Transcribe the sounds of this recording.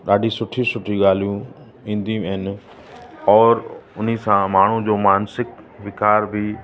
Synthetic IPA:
ɗaːɖʱisʊʈʰisʊʈʰiɠaːl̤ijũ | ĩːn̆d̪ĩəɦɪnɪ | ɔːɾʊn̤isãmaːɳ̤ũd͡ʑoːmaːnsɪk | ʋɪkaːɾbʱɪ

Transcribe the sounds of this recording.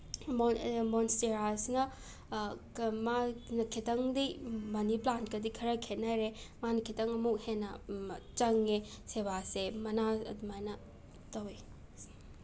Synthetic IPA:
momonsteɾasnɐ | manɐkʰitɐŋdimɐniplantkɐdikʰɐɾɐkʰet̚naɾemanɐkʰitɐŋɐmuk̚henːɐt͡ʃɐŋːeseβasemɐnaɐ̰dumajnɐ | tɐwi

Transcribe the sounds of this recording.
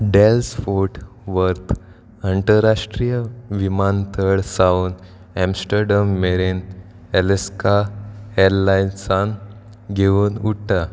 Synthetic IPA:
ɖelsfoɾʈ | ʋəɾt̪ʰ | əɳʈəɾaʂʈɾijəʋimant̪ʰəɾɽsawn | ɛ̃msʈəɾɖamːeɾen | ɛleskaelːajnsan | ɡʱeʋunuʈʰːa

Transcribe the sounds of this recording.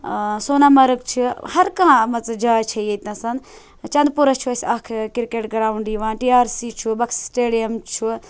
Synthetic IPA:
soːnaːmɐɾək̚t͡ʃʰuhɐɾkãːmɐt͡sd͡ʒaːt͡ʃʰɐiet̪ʲãsɐn | t͡ʃɐnd̪̚puɾɐt͡ʃʰuɐsʲakʰkiɾkeːʈɡɾaːuɳɖiʋãːnʈiːaːɾsiːt͡ʃʰubɐkssʈeːɽijɐmt͡ʃʰu

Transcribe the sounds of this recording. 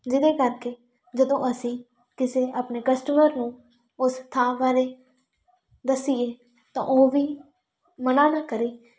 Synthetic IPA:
d͡ʒɪd̪eːkəɾkeː | d͡ʒəd̪õːʔəsĩː | kɪseːʔaːpneːkəsʈəməɾnũː | ʊst̪ʰãːʋaːɾeː | d̪əsieː | t̪ã̰ːʔoːʋiː | mənaːnãːkəɾiː

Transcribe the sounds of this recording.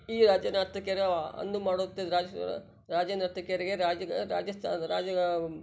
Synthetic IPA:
iːɾaːd͡ʒjɐnaːɾt̪ɐkjɐɾɐɐ̰nd̪umaːɽot̪ːed̪ɾaː | ɾaːd͡ʒɐnaɾt̪ʰːɐkjɐɾiɡeɾaːd͡ʒɐɾa̰ːd͡ʒɐst̪ʰaɾa̰ːd͡ʒɐɡ

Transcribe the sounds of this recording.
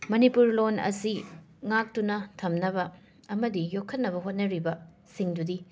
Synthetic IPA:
mɐnipuɾlonɐ̰si | ŋak̚tunɐtʰɐmnɐbɐː | mɐdijokʰːɐt̚nɐβɐɦot̚nɐɾibɐ | siŋdudi

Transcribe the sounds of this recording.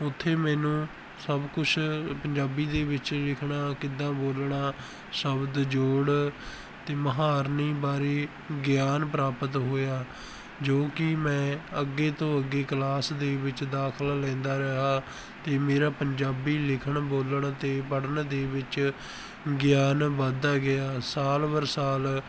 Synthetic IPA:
ʊt̪ʰːeːmɛːnũː | səbkʊt͡ʃʰpəɲd͡ʒaːbiːd̪eːʋɪt͡ʃlɪkʰɳaːkɪd̪ãːboːlɳaː | səbd̪d͡ʒoːɽ | t̪eːməɦaːɾniːbaːɾeː | ɡjaːnpɾaːpət̪ɦoːjaː | d͡ʒoːkɪmɛ̃ːəɡːeːt̪õːəɡːeːklaːsd̪eːbɪt͡ʃd̪aːkʰəlːɛ̃ːnd̪aːɾəɦaː | t̪eːmeːɾaːpəɲd͡ʒaːbiːlɪkʰəɳboːləɳt̪eːpəɽənd̪eːʋɪt͡ʃ | ɡjaːnbəd̪aːɡɪjaːsaːlbəɾsaːl

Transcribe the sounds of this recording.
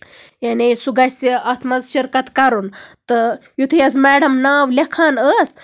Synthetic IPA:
janesuɡaseat̪ʰmazɕiɾkat̪kaɾunt̪əjut̪ʰejɐsmɛɽəmnaːʋlekʰanəs

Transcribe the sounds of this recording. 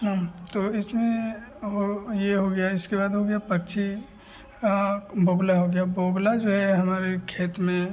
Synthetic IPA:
ɦãt̪oɪsmẽɦojeɦoɡɐjaɪskebaːd̪ɦoɡɐjapɐkt͡ʃʰi | kaboːɡlaɦoɡɐjaboːɡlad͡ʒoːɦɛɦɐmaːɾekʰeːt̪mẽ

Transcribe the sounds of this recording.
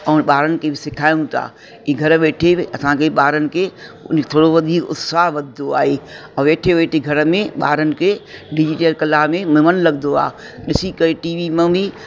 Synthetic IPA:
ɛːnɓaːɾənɪ̆kʰebɪsɪkʰaːjũt̪ʰa̰ː | iːɡʱɐɾʋeːʈʰeɐsãkʰeɓaːɾənɪ̆kʰeʊ̰nket̪ʰoːɽoʋɐd̪ʱiːkʊ̰t̪saːɦʋɐd̪ʱd̪oaːɦeːɛ̃ːʋeːʈʰeʋeːʈʰeɡʱɐɾəmẽɓa̰ːɾənɪ̆kʰeɖɪd͡ʑiʈəlkɐlaːɦmẽmɪmənlɐɠd̪oa̰ː | ɗɪsikəeʈiːʋimẽbɪ

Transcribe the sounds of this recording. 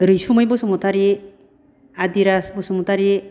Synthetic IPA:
ɾisumajbɔsɔmɔtʰaɾi | ad̪iɾasbɔsɔmɔtʰaɾi

